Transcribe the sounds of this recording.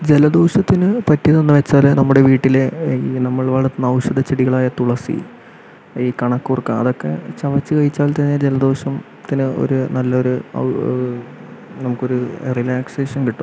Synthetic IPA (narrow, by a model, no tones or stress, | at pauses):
d͡ʑe̞lɐd̪oːɕɐt̪ːinɨpɐtːiɐðenːɨʋet͡ɕːaːlnɐmːuɽe̞ʋiːʈːileinɐmːɐɭʋɐɭɐt̪ːɨnːɐwɕɐðɐt͡ɕiɽiɣɐɭaːjɐt̪ːuɭɐsḭ | iːkɐɳɐkːuːrkːɨɐ̰ðo̞kːe̞̰t͡ɕɐʋɐt͡ɕːɨkɐɻit͡ɕːaːlt̪ɐnːed͡ʑe̞lɐd̪oːɕɐm | t̪ːinɨo̞̰ɾunɐlːɐo̞ɾuɐ̰ | nɐmukːo̞ɾurilaːkse̞ːʂɐnkiʈːu̥m